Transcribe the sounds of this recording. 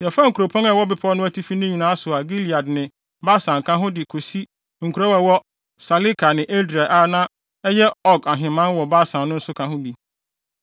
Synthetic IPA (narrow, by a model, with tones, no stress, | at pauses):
jɛ˨fã˦ŋ̩˨kʰu˨ɾo˨pʰɔ̃˦nɛ˨wɔ˦bɪ˨pʰɔ˦nʊ̃˦æ˦tʰi˦fi˦nɪ̃˦ɲĩ˨nãː˨˦a˦sʊ˨a˨ɡi˦li˨a˨dnɪ̃˨ | ba˦sã˨ŋkʰã˦ɦʊ̃˦dɪ˨kʰo˨si˦ | ŋ̩˨kʰu˨ɾɔ˦wɛ˨wɔ˦ | sa˨li˦kʰa˨nɪ̃˨ʔe˦dɾi˨a˨ʔa˦nã˦ | ɛ˦jɛ˦ɔ˦ɡa˨ɦɪ̃˨mã˦nwɔ˨ba˦sã˨nnʊ̃˦n̩˦sʊ˦kʰã˨ɦʊ̃˦di˨